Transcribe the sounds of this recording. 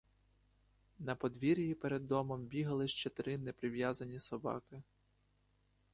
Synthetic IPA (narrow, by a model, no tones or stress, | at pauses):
nɐpɔd̪ʋʲiɾʲjipɛɾed̪ːɔmɔmbʲiɦɐlˠɪʃt͡ʃɛt̪ɾɪnɛpɾɪʋjazɐnʲisɔbɑ̰kɪ